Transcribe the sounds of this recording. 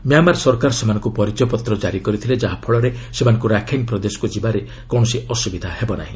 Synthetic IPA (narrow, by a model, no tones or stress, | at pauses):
mjamaɾsɔɾkaɾsemanɔ̃ŋkupɔɾid͡ʒɔpɔt̪ɾɔd͡ʒaɾikɔɾit̪ʰiled͡ʒaɦapʰɔɭɔɾesemanɔ̃ŋkuɾakʰeŋpɾɔd̪esɔ̥kud͡ʒibaɾe | kɔ̃ɔsiɔsubid̪ʱahebɔna̰ɦĩ